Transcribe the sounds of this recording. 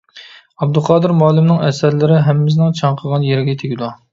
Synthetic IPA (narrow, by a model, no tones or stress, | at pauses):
ɑb̚d̪ulˠqʰɑːd̪ɨɾmɑːlˠɪmnɪŋɛsæɾlɪɾɪɦɛmːɪz̬nɪŋt͡ʃʰɑŋqʰəʁɑnjeɾɪɡʲɛt̪ʰeɡʲid̪u